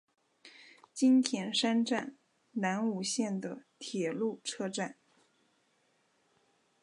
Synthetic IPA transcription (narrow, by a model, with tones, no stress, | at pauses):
t͡ɕi˥nt̪ʰjɛ˧˥nʂa˥nʈ͡ʂa˥˩n | na˧˥nu˨˩ɕjɛ˥˩nd̪ə˩t̪ʰjɛ˨˩lu˥˩ʈ͡ʂʰɤ˥˧ʈ͡ʂa˥˩n